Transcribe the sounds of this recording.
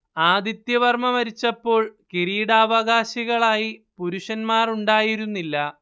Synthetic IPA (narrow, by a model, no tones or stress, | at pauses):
aːd̪it̪jɐʋɐrmɐʋɐɾit͡ɕːɐpːo̞ːɭkiɾiːɽaːʋɐɣaːɕiɣɐɭaːjipuɾuʂɐnmaːruɳɖaːjiɾunːilːɐ